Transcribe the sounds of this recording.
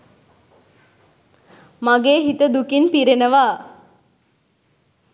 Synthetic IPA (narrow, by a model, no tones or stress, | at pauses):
maɡeːɦit̪əd̪ukinpiɾenəʋaː